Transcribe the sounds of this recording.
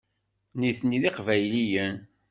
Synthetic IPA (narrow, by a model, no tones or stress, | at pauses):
niθniðiqvæjlijən